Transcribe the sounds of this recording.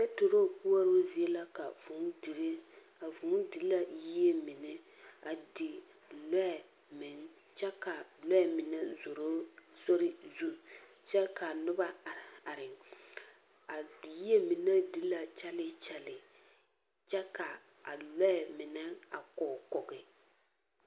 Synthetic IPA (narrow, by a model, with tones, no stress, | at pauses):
sɛ˦to˨ɾo˦˨pu˦ɔ˦ɾo˦zi˨e˦la˦ka˨vʊ˨ŋ˦di˨ɾe˦ | a˨vʊ˨ŋ˦dɪ˨˦la˦ji˦e˦mɪ˨nɛ˦ | a˨dɪ˨ | lɔ˦ɛ˨ | mɪ˨ŋ˦ | t͡ʃɛ˦ka˨lɔ˦ɛ˨mɪ˨nɛ˦zo˨ɾo˦so˦ɾɪ˦zu˦ | t͡ʃɛ˦ka˨nʊ˦ba˦˨a˨ɾɪ˨ŋ | a˨ji˦e˦mɪ˨nɛ˦dɪ˦la˨t͡ʃɛ˦lɪ˦t͡ʃɛ˦lɪ˨ | t͡ʃɛ˦ka˨ | a˨lɔ˦ɛ˨mɪ˨nɛ˦a̰˨kɔ˨kɔ˨ɣɪ˨